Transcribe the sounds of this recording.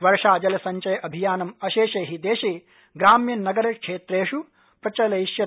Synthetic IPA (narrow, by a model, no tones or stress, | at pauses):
ʋɐɾʂaːd͡ʒɐlɐsɐɲt͡ʃɐjɐʔɐbʱijaːnɐmɐʃeːʃeːɦid̪eːʃe | ɡɾaːmjɐnːɐɡɐɾɐkʂeːt̪ɾeːʂu | pɾɐt͡ʃɐlɐjiʃjɐ